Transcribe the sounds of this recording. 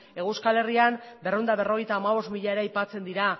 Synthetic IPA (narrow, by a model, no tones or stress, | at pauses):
e̞ɣuskale̞riambe̞rond̪aβ̞e̞ro̞ɣ̞e̞jt̪aːmaβ̞o̞st̪miʎaeɾajpat͡se̞nd̪iɾa